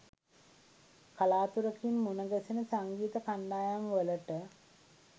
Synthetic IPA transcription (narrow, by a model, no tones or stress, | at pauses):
kalaːt̪uɾəkimːunəɡəsinəsaŋɡiːt̪əkaɳɖaːjamʋələʈə